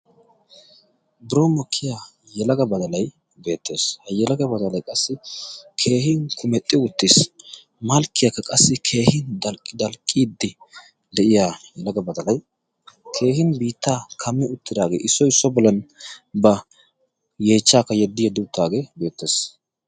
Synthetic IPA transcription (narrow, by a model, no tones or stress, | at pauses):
bɾoːmɔkʰːɪjaː | jɛlɐɡɐbɐd̪ɐlɐj | be̞ːt̪ːe̞̰ːshɐjɛlɐɡɐbɐd̪ɐlɐjkʼɐsːɪkʰe̞ːhɪŋkʰʊmɛt̪ʼːɪwʊt̪ːis | mɐlkːɪjakːɐkʼɐsːɪkʰe̞ːhɪnd̪ɐld̪ɐlkʼːiːd̪ːɪ | d̪ɛʔɪjaːjɛlɐɡɐbɐd̪ɐlɐj | kʰe̞ːhɪnbiːt̪ːaːkʰɐmːɪʊt̪ːɪd̪aːɡeːʔɪsɔjsɔbɔlɐnbɐ | jeːt͡ʃːaːkːɐjɛd̪ːɪjɛd̪ːɪʊt̪ːaːɡe̞ːbe̞ːt̪ːe̞ːs